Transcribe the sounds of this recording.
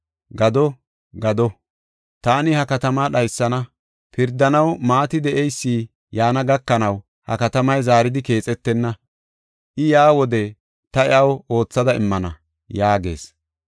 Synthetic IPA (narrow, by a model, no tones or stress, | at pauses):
ɡɐd̪ɔ | ɡɐd̪ɔ | t̪aːnɪhɐkɐt̪ɐmaːɗɐjsːɐnɐ | pɪɾd̪ːɐnɐwmaːt̪ɪd̪ɛʔɛjsːiː | jaːnɐɡɐkːɐnɐw | hɐ̰kɐt̪ɐmɐjzaːɾɪd̪ɪke̞ːt͡sʼɛt̪ːɛnːɐ | ʔɪjaːwɔd̪ɛ | t̪ɐɪʔɐwo̞ːt͡sːɐd̪ɐɪmːɐnɐ̰ | jaːɡe̞̰ːs